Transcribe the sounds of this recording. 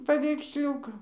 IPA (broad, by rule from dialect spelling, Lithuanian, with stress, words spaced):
pɐʋʲɛɪksʲˈlʲuːkɐ